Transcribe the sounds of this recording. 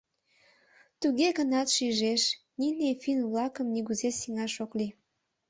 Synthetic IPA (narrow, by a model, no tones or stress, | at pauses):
t̪uɣeɣənɑt̪ʃiʒeʃ | ninefinβlɑkəmniɣuzesiŋɑʃokli